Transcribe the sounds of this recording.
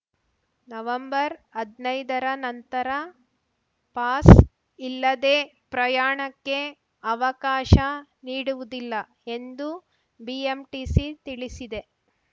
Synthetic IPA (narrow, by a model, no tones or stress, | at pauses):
nɐʋɐmbɐɾɐd̪nɐjd̪ɐɾɐnɐnt̪ɐɾɐ | paːs | ilːɐd̪eː | pɾɐjaːɳɐkːe̞ | ɐʋɐkaːʃɐniːɽuʋud̪ilːɐ | e̞nd̪u | biemʈisit̪iɭisid̪e̞